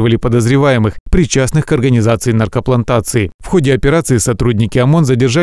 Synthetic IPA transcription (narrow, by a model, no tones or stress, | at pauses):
vəlʲɪpəd̪əzɾʲɪvajɪmɨxpɾʲɪt͡ɕːasnɨxkɐrɡənʲɪzat̪sɨɪnɐrkəplˠɐnt̪at̪sɨɪfxo̞dʲɪɐpʲɪɾat̪sɨisɐt̪ɾudʲnʲɪkʲɪɐmo̞nzədʲɪrʐa